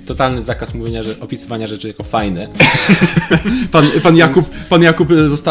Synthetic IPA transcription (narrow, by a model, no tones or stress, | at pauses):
t̪ɔt̪alnɘzakasmuvʲeɲaɛɔpʲisɨvaɲaʐɛt͡ʂɘjakɔfajnɛ | panpanjakuppanjakupzɔst̪a